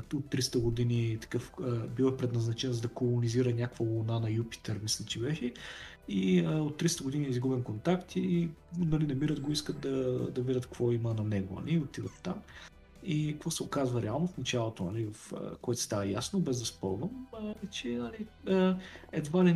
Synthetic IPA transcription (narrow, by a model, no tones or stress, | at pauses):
ot̪ːɾist̪əɡod̪init̪ɐ̥kɤfəbivəpɾɛd̪nɐznɐt͡ʃɛnzd̪ɐkolˠoniziɾənʲakkvəvolˠnanɐjupi̥t̪ɛɾmislʲit͡ʃibɛʃɛ | iəot̪ːɾist̪əɡod̪inʲiizɡubɛnkont̪akt̪inɐlinɐmiɾət̪ɡoiskət̪̚d̪ɐd̪ɐvid̪ət̪kv̥ɔimənɐnɛɡo̰nɐ̰lʔiot̪id̪ət̪t̪am | ikvɔsɛokazvəɾɛalˠnofnɐt͡ʃalˠot̪onɐ̰livɐfə̰koɛt̪o̥st̪avɐjasnobɛzd̪ɐspɤlˠvəmt͡ʃɛnɐliəɛd̪vali